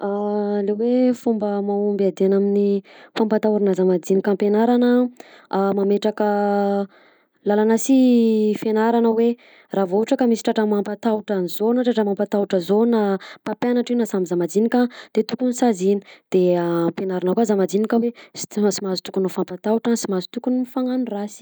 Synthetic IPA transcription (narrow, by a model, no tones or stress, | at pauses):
alewefumbəmaumbad̪eanaminifampat̪auɾinazamad͡zinikʲampenaɾanə | mameʈ͡ʂakə | lalanasifenaɾanəwe | ravouʈ͡ʂakəmisi̥ʈ͡ʂaʈ͡ʂamampat̪auʈ͡ʂanzonaʈ͡ʂaʈ͡ʂamampat̪awuʈ͡ʂəzonapapjanaʈ͡ʂinasambizamad͡zinikʲad̪̥et̪ukunisazini̥d̪̥eampenaɾanakazamad͡zinikʲawesi̥simazi̥t̪u̥kunafampat̪auʈ͡ʂansimazi̥t̪ukunifaŋanurasi̥